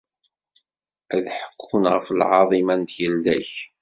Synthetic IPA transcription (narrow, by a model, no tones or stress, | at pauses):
ʔæðħə̥kʰːunʁəfəlʕɑðˤimænt̪jəlːæç